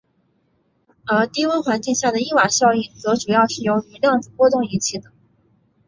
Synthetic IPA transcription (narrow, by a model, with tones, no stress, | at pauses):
ə˞˧˥t̪i˥wə˥nxwa˧˥nt͡ɕi˥˧ŋɕja˥˩d̪ə˩i˥˩wa˨˩ɕjɑ˥˧ʊi˥˩t͡sɤ˧˥ʈ͡ʂu˨˩jɑ˥˧ʊʂɻ̩˥˩jo˧˥ʊy˧˥ljɑ˥˧ŋt͡sɹ̩˥˩kwɔ˥t̪ʊ˥˩ŋi˧˥t͡ɕʰi˥˩d̪ə˩